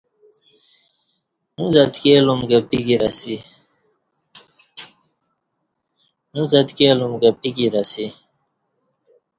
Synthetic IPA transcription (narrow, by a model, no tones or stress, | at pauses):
numzɐt̪keːlumɡapiɡiɾasi | numzɐt̪keːlumɡapiɡiɾasi